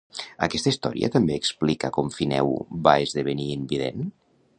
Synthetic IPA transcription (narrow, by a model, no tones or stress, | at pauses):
əkɛst̪əist̪ɔɾiə̰t̪əmbeːksplikəkɔmfinɛ̰wbaezðəβ̞əniːmbiðḛn